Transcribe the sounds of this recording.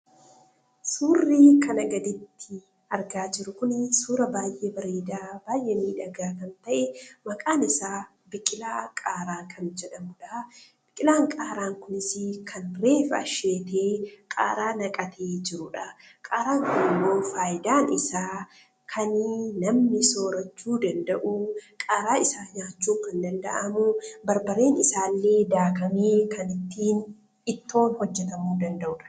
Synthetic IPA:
suːrːiːkʰɐnɐɡɐd̪ɪt̪ːɪ | ɐɾɡaːd͡ʒɪɾʊkʊnsuːɾɐbaːjʔeːbɐɾeːd̪aːbaːjʔeːmiːᶑɐɡaːkɐnt̪ɐʔɛmɐkʼaːnɪsaː | bɪkʼɪlaːkʼaːɾaːkʰɐnd͡ʒɛᶑɐmʊᶑɐ | b̥ɪkʼɪlaːŋkʼaːɾaːŋkʊnɪsɪkʰɐnɾeːfɐʃeːt̪ʰeːkʼa̰ːɾaːnɐkʼɐt̪ʰeːd͡ʒɪɾʊᶑɐ | kʼaːɾaːŋkʊnɪmːo̞ːfaːjɪd̪aːnɪsaː | kʰɐnnɐmnɪso̞ːɾɐt͡ʃːuːd̪ɐnd̪ɐʔukʼaːɾaːɪsaːɲaːt͡ʃːuːkɐnd̪ɐnd̪ɐ̰ʔɐmʊbɐɾbɐɾe̞ːnɪsaːlːe̞ːd̪aːkɐmeːkɐnɪt̪ːiːn | ɪt̪ːo̞ːnhɔd͡ʒːɛt̪ɐmuːd̪ɐnd̪ɐʔʊᶑɐ̥

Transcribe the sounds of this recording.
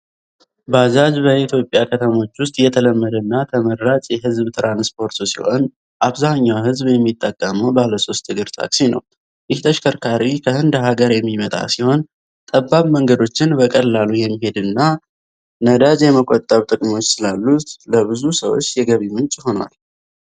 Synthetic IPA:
bazad͡ʒbəit̪ʰjo̞pʼjakʰət̪ʰəmo̞t͡ʃːwʊst̪ʼjɛt̪ʰələmːəd̪ənːat̪ʰəməɾːat͡ʃʼjɛɦɨzbt̪ʰɨɾʔanspʰo̞ɾt̪ʰosḭho̞n | ʔaβzaɲːawɦɨzbjɛmːit̪ʼːəkʼːəməwbahləso̞st̪ʰːɨɡɨɾt̪ʰa̰kʼsinə̰w | jɪht̪ʰəʃkʰəɾkʰaɾikʰəhɨnd̪ɦaɡəɾjɛmːimət̪ʼa̰siho̞n | t̪ʼəbːaβməŋɡəd̪o̞t͡ʃːɪnbəkʼəlːalujɛmːiɦe̞d̪ɨnːa | nəd̪ad͡ʒjɛməkʼot̪ʼːəɾut̪ʼɨkʼmo̞t͡ʃːsɨlalːut̪ʼləβɨzusəwo̞̰t͡ʃːjɛɡəβimɨnt͡ʃʼɪho̞nwa̰l

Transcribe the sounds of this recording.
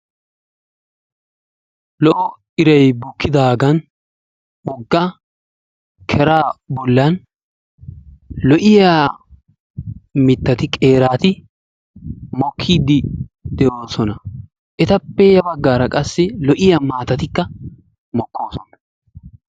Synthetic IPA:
lɔʔɔ | ɪɾɐjbʊkːɪd̪aːɡɐn | ɔɡːaː | kʰɛɾaːbɔlːɐn | lɔʔɪjaː | mɪt̪ːɐt̪ɪkʼe̞ːɾaːt̪ɪ | mɔkʰːiːd̪ɪd̪ɛʔo̞ːsɔnɐ | ʔɛt̪ɐpːɛjɐbɐɡːaːɾɐkʼɐsːɛlɔʔɪjamaːt̪ɐt̪ɪkːɐ | mɔkːo̞ːsɔnɐ̥

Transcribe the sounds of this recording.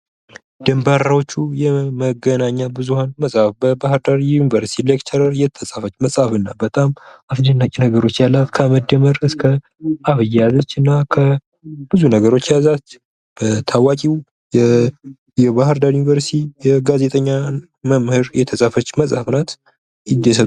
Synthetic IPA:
d̪̥əmbaɾawot͡ʃːujɛməɡənaɲːabɨzuhanməsʼhafbəbahɨɾd̪aɾjunivəɾst̪ilekt̪ʰəɾəɾjɛt̪ʰːəsʼafət͡ʃːməsʼhafɨnːabət̪ʼamafd͡ʒɨnːakʼinəɡəɾo̞t͡ʃːjalːat̪kʰəməd̪əməɾɨskʰə | aβɨjɛjazət͡ʃːɨnːakʰə | b̥ɨzunəɡəɾo̞t͡ʃːjazat̪ | b̥ət̪ʰawakʼiw | jɛ | jɛβaɦɨɾd̪aɾjunivəɾst̪ʰijɛɡazet̪ʼəɲːa | məmhɨɾjɛt̪ʰəsʼafət͡ʃːməsʼhafnat̪ | ɪd̪esə

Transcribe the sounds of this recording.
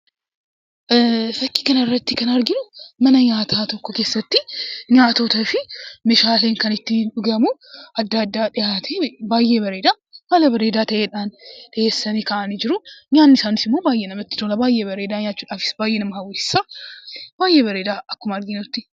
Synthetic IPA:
fɐkːi̥kɐnɐɪrːɐt̪ːɪkɐnɐɾɡɪnʊmɐnɐɲaːt̪ʰaːt̪ɔkːɔke̞ːsːɐt̪ːɪɲaːt̪ot̪ɐfɪmeʃaːleːŋkɐnɪt̪ːɪᶑʊɡɐmuɐd̪ːaːd̪ːaːᶑɪjat̪ʰebaːjːebɐɾeːd̪aː | maːlɐbɐɾeːd̪aːt̪ɐʔeːᶑaːnᶑ̪ɐeːsːɐnikɐʔanɪd͡ʒɪɾʊɲaːnːɪsaːnɪsɪmːo̞ːbaːjːɛnɐmɐt̪ːɪ̥t̪oːlɐbaːjːɛbɐɾeːd̪aːɲaːt͡ʃːuːᶑaːfɪ̥sbaːjːɛnɐmɐhɐwʊɪ̥sːa | b̥aːjːebɐɾeːd̪aːɐkːʊmɐɾɡɪnʊt̪ːɪ

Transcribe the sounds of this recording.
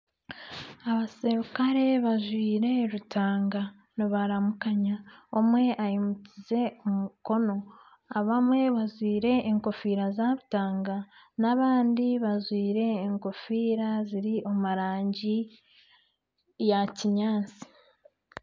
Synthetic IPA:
aβaseɾukaɾe̞βaʒwiːɾe̞ɾutʰaːŋɡa | niβaɾamukaɲaomwe̞ʔajimucize̞omuko̞no̞ | aβamwe̞βazwiːɾe̞ʔːŋko̞fiːɾazaβutaːŋɡanaβaːndiβazwiːɾe̞ːŋko̞fiːɾaziɾiʔomaɾaːɲɟi | jaciɲaːnt͡si̥

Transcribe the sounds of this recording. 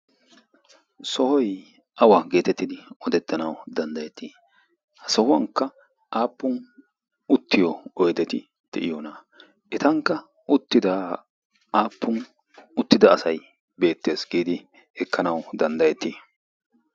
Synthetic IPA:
sɔhɔj | ʔɐwaːɡe̞ːt̪ɛt̪ːɪd̪ɪɔd̪ɛt̪ːɐnɐwd̪ɐnd̪ɐjɛt̪ːiː | hɐsɔhʊwɐŋkːɐ | ʔaːpːʊn | ʊt̪ːɪjɔɔjd̪ɛt̪ɪ | d̪̥ɛ̰ʔɪjoːnɐ | ʔɛt̪ɐŋkːɐ | ʊt̪ːɪd̪a | aːpːʊn | ʊt̪ːɪd̪ɐːsɐj | be̞ːt̪ːeːsɡiːd̪ɪ | hɛkːɐnɐwd̪ɐnd̪ɐjɛt̪ːiː

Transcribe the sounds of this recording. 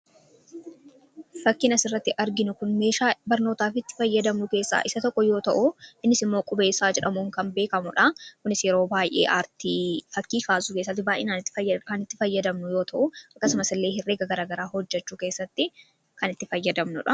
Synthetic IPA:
fɐkːɪnɐsɪrːɐt̪ːɪʔɐɾɡɪnʊkʊnme̞ːʃaːbɐɾno̞ːt̪aːfɪt̪ːɪ̥fɐjːɐd̪ɐmnʊke̞ːsːa̰ːʔɪsɐt̪ɔkːɔjoːt̪ɐʔʊɪnːɪsɪmːoːkʼʊbeːsaːd͡ʒɛᶑɐmuŋkɐmbe̞ːkɐmʊᶑɐkʊnɪsjɛɾoːbaːjʔḛːʔaːɾt̪iːfɐkːiːkaːsukeːsːɐt̪̬ːɪbaːʔɪ̰naːnɪt̪ːɪkɐnɪt̪ːɪfɐjːɐd̪ɐmnʊjo̞ːt̪ɐʔʊɐkːɐsʊmɐsɪlːe̞ːɪrːe̞ːɡɐɡɐɾaːɡɐɾaːhɔd͡ʒːɛt͡ʃːuːke̞ːsːɐt̪ːɪ | kɐnɪt̪ːɪfɐjːɐd̪ɐmnʊ̰ᶑɐ

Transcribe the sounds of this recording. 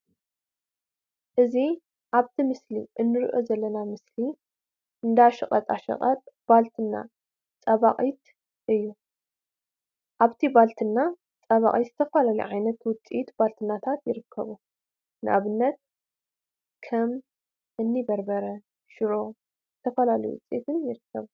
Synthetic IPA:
ʔɨzi | ʔaβt̪ʰimɨslḭʔɨnːɨɾḭʔo̞̰zɐlːɐnamɨsli | ʔɨnd̪aaʃɨ̰χʼɐt̪ʼaʃɐ̰ɐt̪b̥alt̪ʰɨnːa̰ | t͡sʼɐβaqʼit̪ | ʔɨjːu | ʔaβt̪ʰibalt̪ʰɨnːa | t͡sʼɐβa̰χʼit̪z̥ɨt̪ʰɐfalalḭʕajnɐt̪wʊt͡sʼit̪balt̪ʰɨnːat̪ʰat̪jɪɾɨkʰːɐ̰βu | nɨʔaβɨnːɐt̪̚ | kʰɐm | ʔɨnːibɐɾbɐɾɐ | ʃɨɾo̞ | zɨt̪ʰɐfɐlalɐjuwʊ̰t͡sʼiḭt̪ʰɨnjɪɾɨkʰːɐβu

